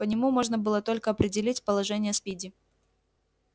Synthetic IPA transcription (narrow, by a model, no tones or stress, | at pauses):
pənʲɪmumo̞ʐnəbɨlˠət̪o̞lʲkəɐpɾʲɪdʲɪlʲitʲpəlˠɐʐɛnʲɪjəspʲidʲɪ